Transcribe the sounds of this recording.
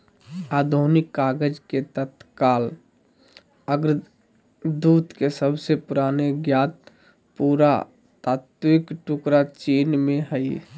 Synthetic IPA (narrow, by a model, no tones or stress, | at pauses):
aːd̪ʱonɪkːaːɡəd͡ʒket̪ət̪kaːl | əɡɾ | d̪uːt̪kesəbsepʊɾaːneɡjaːt̪̚ | puːɾa̰ | t̪aːt̪wɪkʈʊkɾat͡ʃiːnmẽɦəi